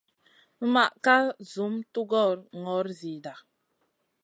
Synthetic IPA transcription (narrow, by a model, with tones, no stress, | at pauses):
ma˨ʔka˦zu˨˦mtu˦ɡɔ˦˨ɾŋɔ˨˦ɾzi˨da˨